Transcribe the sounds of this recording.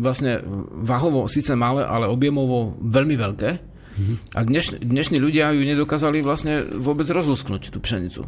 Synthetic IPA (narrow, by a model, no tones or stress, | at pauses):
ʋlasɲɛʋaɦɔʋɔsit͡sɛmalɛ̰ʔa̰lɛɔbjɛmɔʋɔʋɛʎmiʋɛʎkɛː | ʔa̰d̪ɲɛʃd̪ɲɛʃniːʎuɟɪajuɲɛd̪ɔkaːzaliʋlasɲɛʋʊɔbɛd͡zɾɔzlusknuct̪uːpʃɛɲḭt͡sṵ